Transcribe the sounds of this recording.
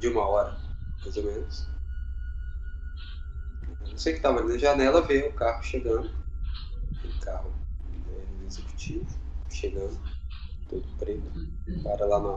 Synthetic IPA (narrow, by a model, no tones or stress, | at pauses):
d͡ʒɪũmɐɔɾɐmajzomẽnʊs | ẽɐ̃ñsejkɪ̥t̪avɐalinɐʒanɛlɐveʊkahʊʃeɡɐ̃nd̪ʊ | ẽkʰaɦʊ̃ɛũezeku̥t͡ʃivʊʃeɡɐ̃nd̪ʊt̪od̪ʊpɾet̪ʊ̥paɾɐlana